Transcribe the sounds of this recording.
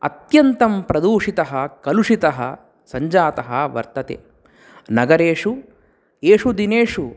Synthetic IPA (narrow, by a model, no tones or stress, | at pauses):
ɐ̰t̪jɐnt̪ɐmpɾɐd̪uːʂit̪ɐɦɐkɐluʂit̪ɐɦɐ̰ | sɐɲd͡ʒaːt̪ɐɦɐʋɐ̰ɾt̪ɐt̪ḛː | nɐɡɐɾeːʂu | eːʂud̪ineːʂu